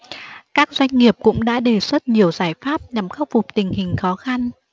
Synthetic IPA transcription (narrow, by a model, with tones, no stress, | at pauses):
kaː˦˥k̚zwa˧jŋ̟ŋi˨˩əp̚kʊ̰˧˥ŋ͡mɗa̰ː˧˥ɗe˨˩swə˦˥t̚ɲi˨˩əwzaː˧˩jfaː˦˥p̚ɲa˨˩mxə˦˥w̚vʊ˨˩k͡p̚t̪ï˨˩ŋ̟hï˨˩ŋ̟xɔ˨˦xa˧n